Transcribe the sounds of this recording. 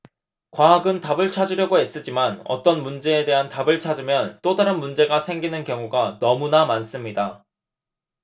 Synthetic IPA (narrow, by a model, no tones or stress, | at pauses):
kwaɦaɡɯntabɯɭt͡ɕʰad͡ʑuɾjʌɡoɦes͈ɯd͡ʑimanʌ̰t͈ʌnmund͡ʑe̞ːde̞ɦantabɯɭt͡ɕʰad͡ʑɯmjʌnt͈odaɾɯnmund͡ʑe̞ɡasʰe̞ŋɡinɯnkjʌŋuɡanʌmunamans͈ɯmɲida